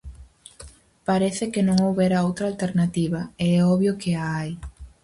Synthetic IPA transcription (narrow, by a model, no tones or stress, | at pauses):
paɾeθɪkenõŋowβɛɾaowt̪ɾaːlt̪eɾnat̪iβɐeɛɔβjokeaaj